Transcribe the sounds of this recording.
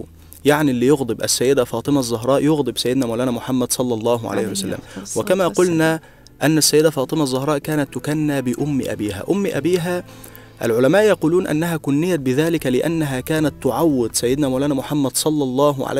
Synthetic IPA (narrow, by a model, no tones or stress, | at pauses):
jaʕnilːijʊɣd̪ˤɨbʔæ̰sːæjːɪd̪æfɑːt̪ˤɨmæʔzˤːɑɦɾˤɑːʔjʊɣd̪ˤɨbsajːɪd̪næːmawlæːnæːmʊħamːæd̪sˤɑlːɑlˤːɑːɦʊʕa̰la̰ːhɪwsalːæ̰mwɪkæmæːqʊlnæː | ʔænːæsːajːɪd̪æfɑːt̪ˤɨmæʔzˤːɑhɾˤɑːʔkæːnæt̪ːʊkænːaːbɪʔʊm̰ːʔæ̰biːɦæ̰ːʔʊmːʔæ̰biːɦæː | ʔæ̰lʕʊlæmæːʔjɑquːluːnʔa̰nːæɦæːkʊnːɪjːæt̪̚bɪðæːlɪkælɪʔa̰nːæɦæːkæːnæt̪ːʊʕawːɪd̪sæjːɪd̪næːmawlæːnæːmʊħamːæd̪sˤɑlːɑlˤːɑːɦʊʕa̰